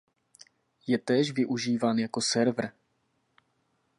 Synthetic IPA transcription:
jɛt̪ɛːʃvɪʔuʒiːvaːnjakosɛɾvr̩

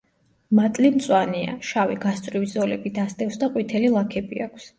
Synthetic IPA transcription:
mat̪ʼlimt̪sʼwania̰ʃaviɡast̪sʼɾiwizɔlɛbid̪ast̪ʼɛfsd̪aqʼwit̪ʰɛlilˠakʰɛbiakʷʰs

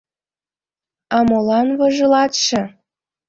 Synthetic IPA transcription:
ɑmolɑnβɤ̆ʒɤ̆lɑt̪ʃĕ

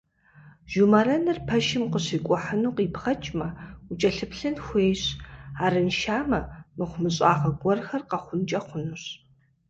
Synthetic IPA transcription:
ʒ̥umɐrɐnɨrpʰɐʃɪmqəɕiːkʷʼɔħənuːqiːpχɐt͡ʃʼmɐut͡ʃʼɐɬɨpɬɨnxʷeːjɕaːrɨnʃaːmɐmɨχʷʊmɨɕʼaːʁɐɡʷɔrxɐrqɐχʷʊnt͡ʃʼɐχʷʊnuɕ

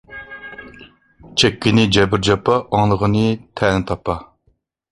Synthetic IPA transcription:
t͡ʃʰɛkʲːinɪd͡ʒɛbɪɾd͡ʒɑpʰɑʔɑŋlˠəʁənɨt̪ʰɛnɪt̪ʰɑpʰɑ

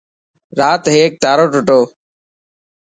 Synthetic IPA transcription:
ɾaːt̪ɦeːk̚t̪aːɾoːʈʊʈoː

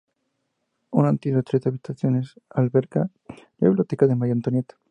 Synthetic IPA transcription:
unant̪iðot̪ɾet̪aβit̪aθjonesalβeɾka | laiβlot̪ekaðemajant̪onjet̪

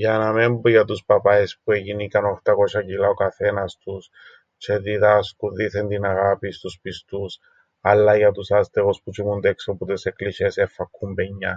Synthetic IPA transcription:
janamembuʝɐt̪uspɐpaespueʝinikanoxt̪ɐkoʃɐcilaokɐθe̞nɐst̪us | t͡ʃeðiðaskuðiθend̪inaɣapist̪uspist̪us | ɐlːaʝɐt̪usast̪eɣosput͡ʃimund̪eksoput̪eseklisesefːakːumbeɲːa

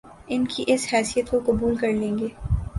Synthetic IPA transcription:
ɪnkʰiʔɪshɛːsijət̪kokʊbuːlkɐɾlẽːŋɡeː

